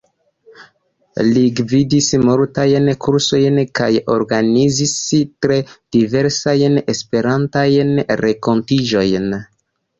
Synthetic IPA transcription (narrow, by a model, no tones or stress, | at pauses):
liɡvidismo̞ɾtajnkʰuɾso̞jnkajo̞̰ɾɡanizistɾed̥ive̞ɾsajne̞spe̞ɾantajnɾeko̞ntid͡ʒo̞jn